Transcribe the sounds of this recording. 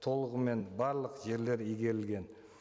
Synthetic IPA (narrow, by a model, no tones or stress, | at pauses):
t̪ʰo̞lˠəʁəme̞nbɑɾlˠəqʒe̞ɾle̞ɾijɡʲe̞ɾɪlɡʲe̞n